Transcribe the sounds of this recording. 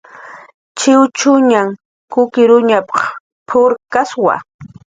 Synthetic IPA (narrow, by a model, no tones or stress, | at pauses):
t͡ʃɪwt͡ʃʊɲaŋ | kʊkɪɾʊɲapɑχ | pʰʊɾkaswa̰